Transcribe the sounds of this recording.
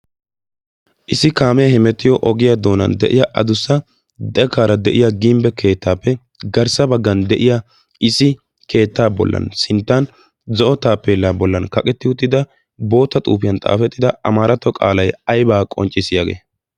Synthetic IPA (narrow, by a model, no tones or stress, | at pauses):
ʔɪsɪkaːmɛhɪmɛt̪ːɪjɔʔɔɡɪjad̪o̞ːnɐ̰nd̪ɛ̰ʔɪjaʔɐd̪ʊsːɐ | d̪ɛkaːɾɐd̪ɛʔɪjaɡimbɛkʰe̞ːt̪ːaːpːɛ | ɡɐɾsɐbɐɡːɐnd̪ɛʔɪja | ʔɪsɪ | kʰe̞ːt̪ːaːbɔ̰lːɐ̰nsɪnt̪ːan | zɔʔɔt̪aːpːeːlːaːbɔlːɐnkɐkʼɛt̪ːɪʊt̪ːɪd̪ɐ | bo̞ːt̪ːɐt̪ʼuːpɪjɐnt̪ʼa̰ːfɛt̪ːɪd̪ɐɐmaːɾɐt̪ːɔkʼa̰ːlɐjɐjbaːkʼɔ̰nt͡ʃʼːɪsɪjaːɡḛː